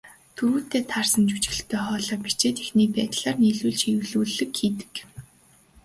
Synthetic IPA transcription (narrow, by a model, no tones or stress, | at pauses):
t̪ʰuɾuːt̪eːt̪ʰarsə̆nt͡ɕu̥t͡ɕ̆ɘ̆ɬt̪ʰœːχɔːɮɔːpit͡ɕeːt̪exniːpæːt̪ɮaːrniːɮuːɮt͡ɕiwɮuːɮɘ̆kxiːt̪ɘ̥̆k